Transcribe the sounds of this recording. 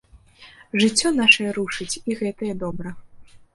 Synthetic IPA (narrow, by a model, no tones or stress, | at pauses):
ʐɨt͡sʲːɔn̪aʂɐjɛɾuʂɨt͡sʲiɣɛt̪ɐjɛd̪ɔbɾɐ